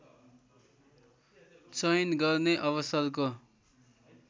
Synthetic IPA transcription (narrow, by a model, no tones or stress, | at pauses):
t͡sʌjnɡʌrneʔʌβʌsʌlko